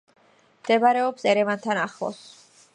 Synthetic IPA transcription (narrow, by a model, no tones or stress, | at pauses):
md̪̥ɛvaɾɛɔpsɛɾɛvant̪ʰanaχlˠɔ̰s